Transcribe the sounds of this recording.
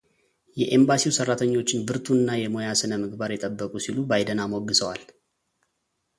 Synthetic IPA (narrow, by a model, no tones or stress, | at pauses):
jɛʔembasiwsərːat̪ʰəɲːo̞t͡ʃːɪnbɨɾt̪ʰuɨnːajɛmo̞jasɨnəmɨɡbaɾjɛt̪ʼəbːəkʼusilubajd̪ənamoɡːɨsəwa̰l